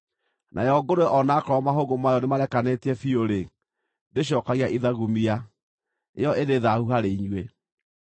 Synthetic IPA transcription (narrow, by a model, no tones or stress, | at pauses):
nʔa̰jɔɡoɾoɛʔɔnakɔɾɔmaɦoɣomajɔnemaɾɛkanetiɛfioɾe | deɕ̬ɔkaɣiaʔiðaɣumia | ḛjɔʔedeðahuhaɾeiɲwe